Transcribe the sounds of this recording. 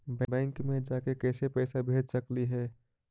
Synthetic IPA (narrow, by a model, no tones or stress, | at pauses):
bbɛ̃ːŋkmẽd͡ʒaːkekɛːsepɛːsabʱeːd͡ʒʱsɐkliɦɛː